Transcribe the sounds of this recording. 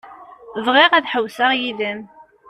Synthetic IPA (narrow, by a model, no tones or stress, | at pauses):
ðˤʁeʁæðħəwsaʁjiðəm